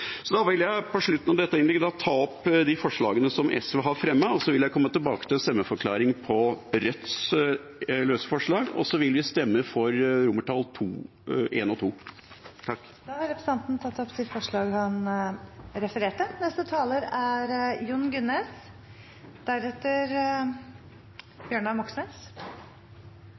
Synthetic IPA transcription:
sɔd̪ɑʋɪljæɪpʰɔʂɭʉt̪ːnɑʋd̪ɛt̪ːəɪnlɛɡːəd̪ɑt̪ʰɑːɔpd̪ɪfɔʂɭɑːɡənəsɔmʔɛ̰sʋɛɦɑɾfɾɛmːəɔsɔʋɪljæɪkʰɔmːət̪ɪlbɑːkət̪ɪlɛnst̪ɛmːəfɔɾkʰlɑːɾɪŋpʰɔɾœt̪s | løːsə̥fɔʂɭɑːɡɔ̰sɔʋɪlʋɪst̪ɛmːəfɔɾɾʊməʈʰɑlt̪ʰuː | ʔeːnɔt̪ʰuː | t̪ʰɑkː | d̪ɑːhɑɾɛpɾəs̩ɑnt̪n̩t̪ʰɑt̪ːɔpsɪfɔʂɭɑːɡhɑn | ɾɛfəɾeːʈənɛst̪ət̪ʰɑːləɾæɾjʊnɡʉnes | d̪̥æɾɛt̪ːəɾ | b̥jøːɳɑmɔksnes

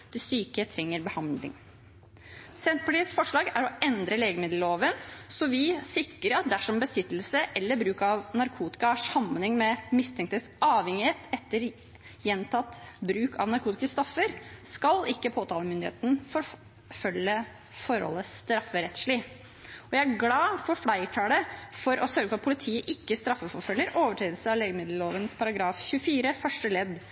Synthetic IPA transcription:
t̪ʰɪsyːkət̪ʰɾɛŋːəɾbəhɑnd̪lɪ̰ŋ | sɛnt̪̚pʰɑliːsfɔʂɭɑːɡæɾɔɛnd̪ɾəleːɡəmɪd̪lloːʋənsɔʋɪsɪkɾəɾɑt̪̚d̪æʂɔmbəsɪt̪ːl̩səʔɛlːəɾbɾʉːkɑʋnɑɾkʰuːt̪ɪ̥kɑɑʂɑmːənɪŋmɛmɪst̪ʰɛŋkt̪het̪sʔɑːʋhɛŋɪheːt̪ɛt̪ːəɾ | jɛnt̪ʰɑt̪bɾʉːkʰɑ̰ʋnɑɾkʰuːt̪ɪskəst̪ɔfːəɾskɑlɪkːəpʰoːt̪ʰɑːləmʏnd̪ɪhḛːt̪n̩fɔɾ | fœljə | fɔɾhɔ̰lːəst̪ɾɑfːəɾɛt̪ʂɭɪ | ɔjæɪæɾɡlɑːfɔɾflæɪʈʰɑːɖəfɔɾʔɔsœɾɡəfɔɾɑt̪pʰʊlɪt̪ʰiːəʔɪkːəst̪ɾɑfːəfɔɾfœlːəɾʔoːʋəʈʰɾeːd̪lsəɑʋleːɡəmɪd̪ləloːʋənspʰɑɾɑɡɾɑːfçʉəfiːɾəfœʂʈəlɛd̪

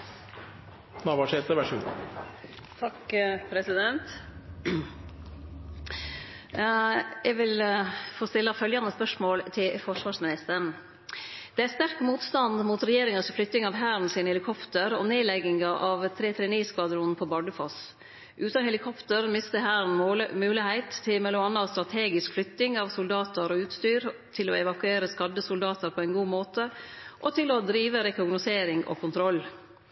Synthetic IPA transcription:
nɑʋɑʂɛːt̪əʋæʂṵː | t̪ʰɑkpʰɾɛsɪd̪ɛnt̪ | jɛʋɪlfoːst̪ɪlːɑfœljɑnəspœʂmoːlt̪ʰɪlfɔʂʋɑːʂmɪnɪst̪əɳ | d̪̥ɛæst̪æɾkmuːt̪st̪ɑnd̪muːt̪ɾɛjeːɾɪŋəsɔflʏt̪ːɪŋɑʋɦæːɾn̩sɪːnhɛlɪkʰɔpt̪əɾɔ̰neːlɛɡɪŋɑʔɑʋt̪ʰɾeːt̪ʰɾɛːniːskʰʋɑd̪ɾʊnnpʰɔbɑɖəfɔs | ʔʉːt̪ɑnhɛlɪkʰɔpt̪əɾmɪst̪əɦæːɾn̩mʉːlɪhæɪt̪ʰːɪmɛlʊɑnːɑst̪ɾɑt̪ʰeːɡɪskflʏt̪ːɪŋɑʋsʊld̪ɑːt̪əɾɔʉːt̪st̪yːɾt̪ʰɪlɔ̰ɛʋɑkʉeːɾəskɑd̪əsʊld̪ɑːt̪əɾpʰɔɛɪnɡuːmoːt̪əʔɔt̪ʰɪlɔd̪ɾiːʋəɾɛkʊɡnʊseːɾɪŋɔ̰kʰʊnt̪ʰɾɔlː

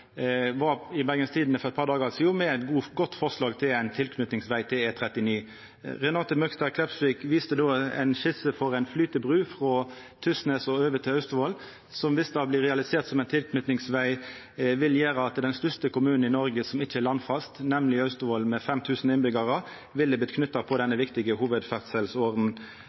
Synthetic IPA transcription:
ʋɑɪbæɡənst̪ʰiːd̪n̩əfɔʁɛt̪pɑʁd̪ɑːɡɑsɔjuːmɛæɪt̪ɡuːɡɔt̪ːfɔʁslɑːɡt̪ʰɪlæɪnt̪ʰɪlkʰnʉt̪nɪŋsʋæɪt̪ʰɪleːt̪ʰɾɛt̪ɪniː | ʁɛnɑːt̪əmœkst̪ɑkʰlɛpsʋɪkʋiːst̪əd̪oːɛ̰ɪnçɪsəfɔʁæɪnflyːt̪əbʁʉːfɾɔːt̪ʰʏsnɛsɔøːʋət̪ʰɪlɑʉst̪ʊʋoːl | sɔmʋɪsd̪ɑːblɪːʁɛɑlɪseːʁt̪sɔmæɪnt̪ʰɪlkʰnʉt̪nɪŋsʋæɪ | ʋɪljeːʁəɑt̪d̪ɛnst̪œst̪əkʊmʉːnn̩ɪnɔɾɡəsɔmɪçːəɛlɑnːfɑst̪nɛmlɪɑʉst̪ʊʋolmɛfɛmt̪ʰʉːsn̩ɪnbʏɡɑʁə | ʋɪlːəb̪ɪt̪kʰnʏt̪ːɑpʰɔd̪ɛnːəʋɪkt̪ɪɡəhuːʋəd̪fæʁt̪sɛlsoːɾn̩

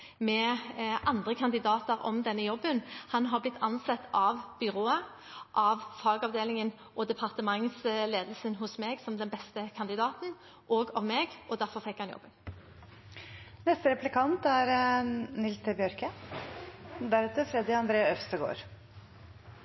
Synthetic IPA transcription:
mɛʔɑnd̪ʁəkʰɑnd̪ɪd̪ɑːt̪əʁɔ̰md̪ɛnːəjɔbːənhɑnɦɑʁblɪt̪ʰːɑnsɑt̪ʰːɑʋb̥ʏʁoːə | ʔɑʋfɑːɡɑʋd̪eːlɪŋən | ʔɔd̪ɛpʰɑʁt̪əmɑŋsleːd̪əl̩sənɦʊsmeːɡsɔmd̪ɛnbɛst̪əkʰɑnd̪ɪd̪ɑːt̪n̩ | ʔoːɡɑʋmeːɡɔd̪æʁfɔfɛkːhɑnjɔ̰bːən | nɛst̪əɾɛplɪkʰɑnt̪æɾnɪlsəbɪjœɾkə | d̪æɾʉːt̪əfɾɛd̪ɪɑnd̪ɾeːɑœfst̪əɡo̰ːɾ

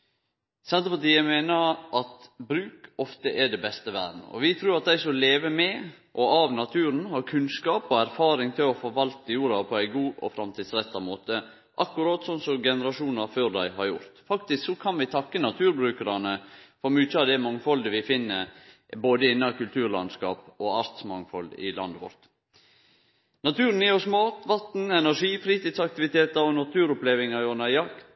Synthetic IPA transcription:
sɛnt̪əpʰɑt̪iːəmeːnəɾʔɑt̪bɾʉːkɔft̪əʔɛɖɛbɛst̪əʋæ̰ːdn̩̰ɔ̰ʋɪt̪ʰɾuːɾɑt̪̚d̪æɪsɔleːʋəmɛ | ʔɔɑʋnɑt̪ʰʉːɾənhɑɾkʰʉnskɑːpɔæɾfɑːɾɪŋt̪ʰɪlɔfɔɾʋɑlt̪əjuːɾɑpʰɔæɪɡuːʔɔ̰fɾɑmt̪ʰiːd̪sɾɛt̪ːɑmoːt̪ə | ʔɑkːʊɾɑːt̪sɔnsɔɡɛnəɾɑʂuːnɑføːɾd̪æɪɦɑɾjʊ̰ɾt̪fɑkt̪ɪsksɔkʰɑnʋɪt̪ʰɑkːənɑt̪ʰʉːɾbɾʉːkəɾɑnəfɔɾmʉːçəɑʋd̪ɛmɑŋfɔld̪əʋɪfɪnːəɾ | boːd̪əɪnːɑkʉlt̪ʰʉːɾlɑ̰nskɑ̰ːpɔɑɾt̪smɑŋfɔld̪ɪ̰lɑ̰nd̪əʋɔ̰ɾt̪ | nɑt̪ʰʉːɾnjɪɔsmɑːt̪ʋɑt̪n̩ɛnæɾʂiːfɾiːt̪iːd̪sɑk̚t̪ɪʋɪt̪ʰeːt̪ɑɾɔnɑt̪ʰʉːɾɔpleːʋɪŋɑjɔnɑjɑk̪ː

